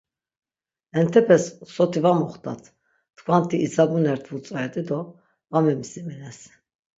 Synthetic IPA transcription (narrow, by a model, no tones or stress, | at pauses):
ɛnt̪ʰɛpʰɛsːɔt̪ʰivamɔχt̪ʰʼa̰t̪ʰ | t̪kʰvant̪ʰiʔːzabunɛɾt̪ʰvut͡sʼaɛd̪ʼɛd̪ɔ | vamɛmisimɛnɛs